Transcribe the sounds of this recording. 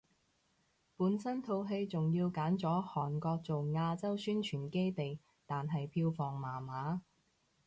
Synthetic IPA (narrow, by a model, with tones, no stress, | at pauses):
puː˨˥nsɐ˥nt̪ʰo˨˧wɦe˧jt͡sʊ˨ŋjiː˧wkaː˨˥nt͡sɔː˨˥hɔː˨˩nkɔː˧k̚t͡so˨wŋaː˧t͡sɐ˥wsyː˥nt͡ʃʰyː˨˩nke˥jt̪e˨j | t̪aː˨nɦɐ˨jpʰiː˧wfɔː˨ŋmaː˨˩maː˨˥